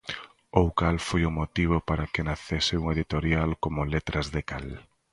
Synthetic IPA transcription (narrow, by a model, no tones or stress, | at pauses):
owkalfojʊmot̪iβ̞opaɾakenaθesɪuŋeðit̪oɾjalkomʊlet̪ɾɐzðekal